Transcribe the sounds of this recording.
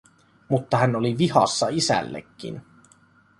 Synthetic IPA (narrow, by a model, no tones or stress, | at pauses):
mut̪ːɑɦænoliʋihɑ̰sːɑisæ̰lːḛkːḭn